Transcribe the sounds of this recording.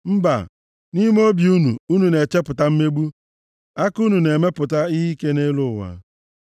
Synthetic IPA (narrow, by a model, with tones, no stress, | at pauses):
m̩˦ba̰˨ | ni˦m˦o˦bi˨u˦nṵ˨u˦nu˨ne˨t͡ʃe˦pʊ˨ta˦m̩˦me˦ɡ͡bu˦ | a˦ku˦nu˨ne˨me˦pʊ˨ta˦i˦ɦi˦ke˦ne˦lʊ˦˨wa̰˨